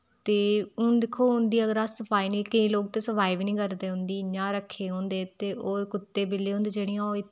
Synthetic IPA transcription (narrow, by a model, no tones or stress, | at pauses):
t̪eːʊnd̪ɪkʰːoːʊ̃nd̪iːəɡəɾassəpaːiːnĩːkəĩːloːk̚t̪eːsəpaːiʋnĩːkəɾd̪eːɦʊ̃nd̪iːɲãːɾəkʰːeːɦõːnd̪eːt̪eːʔoːɾkʊt̪ːeːbɪlːeːɦõnd̪eːd͡ʒeːɽ̃ĩjãoɪ